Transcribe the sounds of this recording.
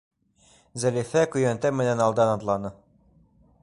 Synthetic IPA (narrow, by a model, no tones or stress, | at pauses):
zɘlʲifɛkujønt̪ɛmɘ̆nɛnɑlˠd̪ɑnɑd̪lˠɑnɤ